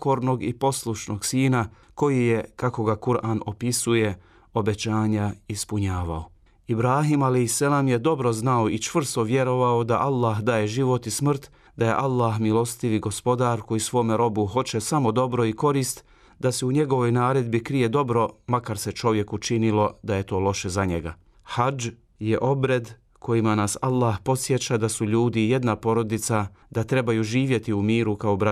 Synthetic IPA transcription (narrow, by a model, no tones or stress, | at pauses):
ko̞ɾno̞ɡipo̞slˠuʃno̞ɡsiːna | ko̞jije̞kako̞ɡakuɾaːno̞pisuje̞ | o̞be̞t͡ɕaːɲaispuɲaːʋa̰o | ibɾaːɦimalejhsalaːmje̞d̪o̞bɾo̞znaoit͡ʃʋr̩st̪o̞ʋje̞ɾo̞ʋaod̪aʔalːaːɦd̪aːje̞ʒiʋo̞t̪ismr̩t̪ | d̪aje̞̰ʔalːaɦmilo̞st̪iʋiɡo̞spo̞d̪aːɾko̞jisʋo̞ːmeɾo̞buɦo̞t͡ɕe̞samo̞d̪o̞bɾo̞iko̞ɾiːst̪ | d̪aseuɲe̞ɡo̞ʋojnaːɾe̞d̪bikɾije̞d̪o̞bɾo̞makaɾse̞t͡ʃo̞ʋje̞kut͡ʃinilo̞d̪aje̞t̪o̞ːlˠo̞ʃe̞zaɲeɡa̰ | had͡ʒ | je̞ʔo̞bɾe̞d̪ | kʰo̞jimanasalˠːahpo̞t̪sje̞t͡ʃad̪asuʎuːd̪ije̞d̪napo̞ɾo̞d̪it̪sad̪̥at̪ɾe̞bajuʒiːʋje̞t̪iumiːɾukaobɾa